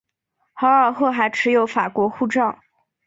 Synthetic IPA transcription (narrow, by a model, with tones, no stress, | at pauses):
xɑ˧˥ə˞˨˩xɤ˥˩xa˧˥ɪʈ͡ʂʰɻ̩˧˥jo˨˧˥ʊfa˨˩kwɔ˧˥xu˥˧ʈ͡ʂɑ˥˩ŋ